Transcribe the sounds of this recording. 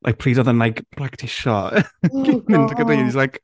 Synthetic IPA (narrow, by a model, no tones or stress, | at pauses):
lʔa̰jk̚pʰriːdɔðənlajkb̥lˠaktʰɪʃɔɡ̥ɪmɪndəɡədejnislajk